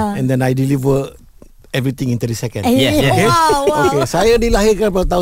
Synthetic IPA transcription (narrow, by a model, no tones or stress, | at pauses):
ɛ̃ndɛ̃najdilivə | ɛvɾit̪ĩŋĩnt̪uɾisɛkə̃nokeokesajadilaɦiɾkanpadat̪aũ